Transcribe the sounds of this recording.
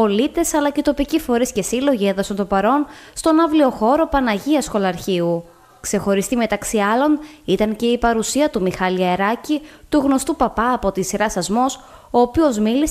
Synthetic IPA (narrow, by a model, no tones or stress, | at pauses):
o̞lit̪e̞sɐlɐct̪o̞picifo̞ɾisce̞silo̞ʝienðɐsɐnt̪o̞pɐɾo̞nst̪o̞nɐvlio̞xo̞ɾo̞pɐnɐʝiɐsxo̞lɐɾçiu | kse̞xo̞ɾist̪ime̞t̪ɐksiɐlo̞nit̪ɐŋce̞ipɐɾusiɐt̪umixɐliɐeɾɐcit̪uɣno̞st̪upɐpɐːpo̞t̪isiɾɐsɐzmo̞s | o̞ːpio̞zmilis